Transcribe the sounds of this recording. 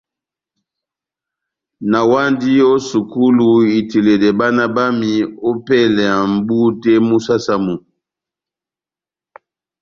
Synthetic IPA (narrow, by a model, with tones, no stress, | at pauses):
na˨wa˦ndi˦jo˦su˨ku˦lu˨i˨ti˨le˨dɛ˨ba˦na˦ba˦mi˨o˦pɛ˦lɛ˨a˨m˦bu˦tɛ˦mu˦sa˦sa˦mu˨